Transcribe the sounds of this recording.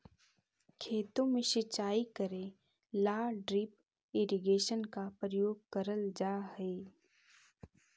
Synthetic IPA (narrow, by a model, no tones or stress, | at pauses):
kʰeːt̪õmẽʃɪt͡ʃaːikəɾẽ | laːɖɾip | ɪɾiɡeːʃənkapɾəjoːɡ̚kəɾəld͡ʒaːɦeː